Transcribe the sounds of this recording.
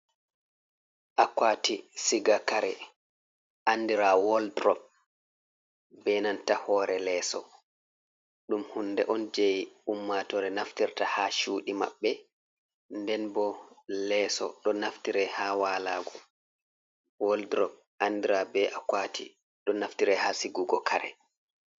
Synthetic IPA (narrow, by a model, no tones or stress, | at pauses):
ʔakwaːtisiɡakaɾɛ | ʔandiɾawɔldɾɔb̚ | bɛnantahɔːɾɛlɛːsɔ | ɗumhunːdɛʔɔnd͡ʒejumːatɔɾɛnaftiɾtahaʃuːɗima̰ɓːɛ | ndɛnbɔlɛːsɔ̰ɗɔnaftiɾɛhawaːlaːɡɔ | wɔldɾɔp̚ | ʔandiɾabɛʔakwaːtʰḭ | ɗɔnaftiɾɛhasiɡuɡɔkʰaɾɛ̰